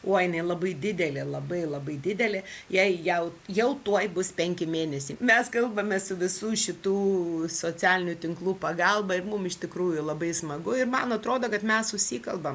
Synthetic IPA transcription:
oːɐɪnɐɪlˠɐbɐɪd̪ʲɪd̪ʲɛlʲɪlˠɐbɐɪlˠɐbɐɪd̪ʲɪd̪ʲɛlʲɪjɛɪjɛʊjɛʊt̪uɔjbʊspʲɛŋʲkʲɪmʲeːnʲɛsʲiːmʲɛskɐlˠbɐmʲɛsʊʋʲɪsuːʃʲɪt̪uːsoːt͡sʲæːlʲɪnʲʊt̪ʲɪŋklˠuːpɐɡɑlˠbɐɪɾmʊmɪʃtʲɪkɾuːjʊlˠɐbɐɪsmɐɡʊɪɾmɐnɐt̪ɾoːd̪oːkɐt̪mʲɛsʊʃʲsʲiːkɐlˠbɐm

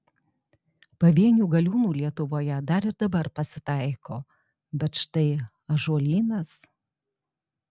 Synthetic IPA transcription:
pɐʋʲiɛnʲuːɡɐlʲuːmuːlʲiɛt̪ʊʋoːjɛd̪ɐɾɪɾd̪ɐbɐɾpɐsʲɪt̪ɐɪkoː | bʲɛt̪ʃt̪ɐɪ | ɐʒuɔlʲiːnɐs

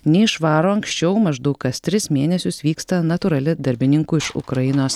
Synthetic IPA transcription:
nʲɛɪʃʋɑːɾoːɐŋksʲt͡ʃʲɛʊmɐʒd̪ɐʊkkɐst̪ʲɾʲɪsmʲeːnʲɛsʲʊsʋʲiːkst̪ɐnɐt̪ʊɾɐlʲɪd̪ɐɾʲbʲɪnʲɪŋkʊːɪʃʊ̰kɾɐjɪnoːs

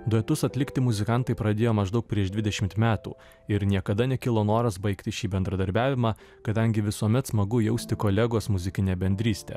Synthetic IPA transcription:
d̪uɛt̪ʊsɐt̪ʲlʲɪkt̪ʲɪmʊzʲɪkɐnt̪ɐɪpɾɐd̪ʲeːjoːmɐʒd̪ɐʊk̚pʲɾʲiɛʃd̪ʲʋʲɪd̪ʲɛʃʲɪmt̪mʲæːt̪ṵː | ɪɾnʲiɛkɐd̪ɐnʲɛkʲɪlˠoːnoːɾɐsbɐɪkt̪ʲɪʃʲiːbʲɛnd̪ɾɐd̪ɐɾʲbʲæːʋʲɪmɑː | kɐd̪ɐŋʲɡʲɪʋʲɪsuɔmʲɛt̪smɐɡʊjɛʊsʲt̪ʲɪkoːlʲɛɡoːsmʊzʲɪkʲɪnʲeːbʲɛnʲd̪ʲɾʲiːsʲt̪ʲḛː

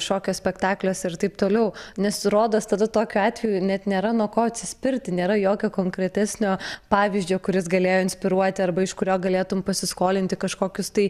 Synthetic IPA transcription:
ʃoːkʲoːsʲpʲɛkt̪ɑːklʲoːsɪrt̪ɐɪpt̪oːlʲɛʊnʲɛsɾoːd̪ɐst̪ɐd̪ɐt̪oːkʲuɑːt̪ʲʋʲɛjuːnʲɛt̪nʲeːɾɐnuɔkoːɐt̪ʲsʲɪsʲpʲɪɾʲt̪ʲɪnʲeːɾɐjoːkʲoːkoːŋkɾʲɛt̪ʲɛsʲnʲoːpɑːʋʲizʲd͡ʒʲoːkʊɾʲɪsɡɐlʲeːjoːɪnʲsʲpʲɪɾuɔt̪ʲɪɐrbɐɪʃkʊɾʲoːɡɐlʲeːt̪ʊmpɐsʲɪskoːlʲɪnʲt̪ʲɪkɐʃkoːkʲʊst̪ɐɪ

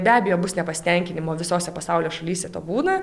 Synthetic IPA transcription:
bʲæːbʲɛjoːbʊsnʲɛpɐsʲt̪ʲɛŋʲkʲɪnʲɪmoːʋʲɪsoːsʲɛpɐsɑʊlʲoːʃɐlʲiːsʲɛt̪o̰ːbuːnɐ

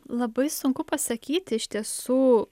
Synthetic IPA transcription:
lˠɐbɐɪsʊŋkʊpɐsɐkʲiːt̪ʲɪɪʃʲt̪ʲiɛsuː

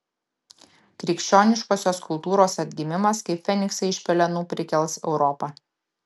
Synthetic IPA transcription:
kɾʲiːkʃʲt͡ʃʲoːnʲɪʃkoːsʲoːskʊlˠt̪uːɾoːsɐd̪ʲɡʲɪmʲɪmɐskɐɪpfʲɛnʲɪksɐɪɪʃʲpʲɛlʲɛnuːpʲɾʲɪkʲɛlˠsɛ̰ʊɾɔpɐː

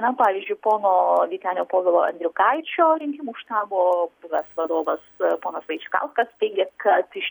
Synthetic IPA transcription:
nɐpɑːʋʲiːzʲd͡ʒʲʊɪpoːnoːʋʲiːt̪ʲæːnʲoːpoːʋʲɪːlˠoːʔɐ̰nʲd̪ʲɾʲɪkɐɪt͡ʃʲoːɾʲɪŋʲkʲɪmuːʃt̪ɑːboːbʊʋɐsʋɐd̪oːʋɐspoːnɐsʋɐɪt͡ʃʲɪkɑ̰lˠskɐstʲɛɪɡʲeːkɐt̪ɪʃʲ

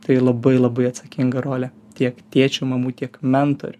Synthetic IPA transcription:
t̪ɐɪlˠɐbɐɪlˠɐbɐɪɐt̪sɐkʲɪŋɡɐɾoːlʲɛ | t̪ʲiɛkt̪ʲiɛt͡ʃʲʊmɐmuːt̪ʲiɛkmʲɛnt̪o̰ɾʲʊ

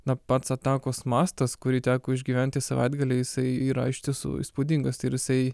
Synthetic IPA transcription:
nɐpɐt̪sɐt̪ɑːkoːsmɑːst̪ɐskʊɾʲiːt̪ʲæːkoːɪʒʲɡʲiːʋʲænʲt̪ʲɪsɐʋɐ̰ɪd̪ɡɐlʲɛjɪsɐɪiːɾɐ̰ɪʃʲt̪ʲɪsṵːḭspoːd̪ʲiŋɡɐsɪɾjɪsɐɪ

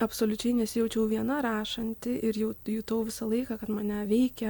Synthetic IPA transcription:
ɐpsoːlʲʊt͡ʃʲɛɪnʲɛsʲɪjɛʊt͡ʃʲɛʊʋʲiɛnɐɾɑːʃɐnʲt̪ʲɪʔɪɾjɛʊjuːt̪oːʋʲɪsɐlˠɐɪkɑːkɐt̪mɐnʲɛʋʲɛɪkʲɛ

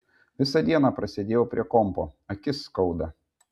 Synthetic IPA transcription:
ʋʲɪsɐd̪ʲiɛnɑpɾɐsʲɛd̪ʲeːjoːpʲɾʲḭɛkɔmpo̰ːɐkʲɪskɒʊd̪ɐ

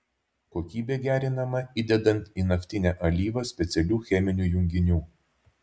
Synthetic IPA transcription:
koːkʲiːbʲeːɡʲæːɾʲɪnɐmɐiːd̪ʲɛd̪ɐnˑt̪iːnɐfʲt̪ʲɪnʲæʔɐlʲiːʋɐsʲpʲɛt̪sʲɛlʲuːxʲɛmʲɪnʲuːjʊŋʲɡʲɪnʲuː

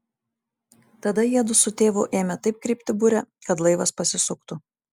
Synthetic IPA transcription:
t̪ɐd̪ɐjiɛd̪ʊsʊt̪ʲeːʋʊʔeːmʲɛt̪ɐɪp̚kɾʲɪːˑpʲt̪ʲɪbʊɾʲɛkɐt̪lˠɐɪʋɐspɐsʲɪsʊkt̪ʊ

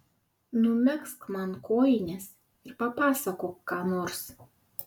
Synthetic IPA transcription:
nʊmʲɛkskmɑnkoːjɪnʲɛs | ɪɾpɐpɑːsɐkoːkːɑːnoːɾs

